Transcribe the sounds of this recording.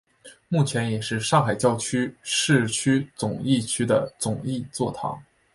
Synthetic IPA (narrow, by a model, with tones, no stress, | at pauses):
mu˥˩t͡ɕʰjɛ˧˥njɛ˨˩ʂɻ̩˥˧ʂɑ˥˩ŋxa˨˩ɪt͡ɕjɑ˥ʊt͡ɕʰy˥ʂɻ̩˥˧t͡ɕʰy˥t͡sʊ˨˩ŋi˥˩t͡ɕʰy˥d̪ə˨t͡sʊ˨˩ŋi˥˧t͡swɔ˥˩t̪ʰɑ̰˧˥ŋ